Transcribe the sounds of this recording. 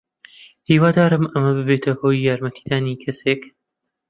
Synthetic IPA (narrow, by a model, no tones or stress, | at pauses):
hiːwaːd̪aːɾɨmɐmɐbɨbeːt̪ʰɐhoːjːaːɾmɐt̪ʰi̥ːd̪aːnikʰɐseːk